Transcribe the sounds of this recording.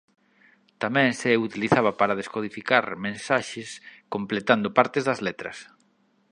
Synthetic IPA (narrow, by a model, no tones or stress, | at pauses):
t̪amɛ̃ŋseut̪iliθaβapaɾað̞eskoð̞ifikaɾmẽnsaʃeskomplet̪and̪opaɾt̪ezðɐzlet̪ɾɐ̰s